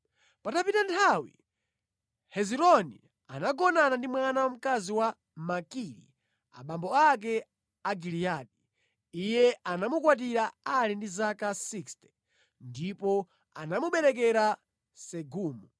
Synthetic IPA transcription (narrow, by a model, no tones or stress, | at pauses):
patapitantʰawḭ | hɛziɾɔnḭ | a̰naɡɔnanandimwanawam̩kaziwa | makiɾḭ | a̰ɓambɔak̬ɛ | aɡiliaɗi | ijɛanamukwat̬iɾaalindizakasikstɛ̥ | ndipɔ | a̰namuɓɛɾɛk̬ɛɾa | sɛɡuːmu